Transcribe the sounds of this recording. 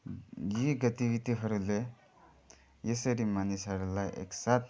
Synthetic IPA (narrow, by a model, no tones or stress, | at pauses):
jiɡʌt̪ibit̪iɦʌɾule | jesʌɾimanisɦʌɾulajʔḛksat̪̚